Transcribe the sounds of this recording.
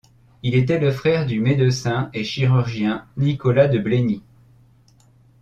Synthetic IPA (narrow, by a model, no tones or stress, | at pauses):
ilet̪ɛləfχɛʁd̪ymed̪əsɛ̃eʃiʁyʁʒjɛ̃nikɔlad̪əbleni